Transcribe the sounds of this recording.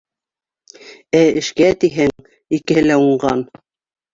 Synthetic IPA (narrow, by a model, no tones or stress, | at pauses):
æɘ̆ʃkæt̪iɦæŋ | ikɘ̆hɘlæuɴɢɑn